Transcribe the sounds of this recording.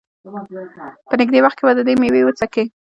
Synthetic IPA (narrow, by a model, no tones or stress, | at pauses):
pənɪɡ̚d̪ewaxt̪̚kebad̪əd̪emewewət͡sake